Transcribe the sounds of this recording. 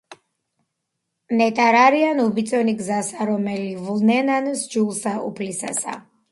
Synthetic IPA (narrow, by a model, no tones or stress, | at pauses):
nɛt̪ʼaɾaɾianubit̪sʼɔniɡzasaɾɔmɛlivlnɛnansd͡ʒulˠsaṵpʰlisa̰sa̰